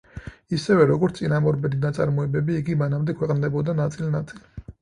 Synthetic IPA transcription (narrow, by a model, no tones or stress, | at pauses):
isɛvɛɾɔɡɔɾt̪ʼinamɔɾbɛd̪inat̪sʼaɾmɔɛbɛbiːɡimanamd̪ɛkʰwɛqʼnd̪ɛbɔd̪anat̪sʼilnat̪sʼili